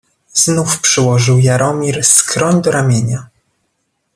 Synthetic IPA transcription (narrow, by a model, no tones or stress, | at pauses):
z̥nufpʂɘwɔʐɘwjaɾʔɔmʲiɾskɾɔɲd̪ɔɾamʲeɲa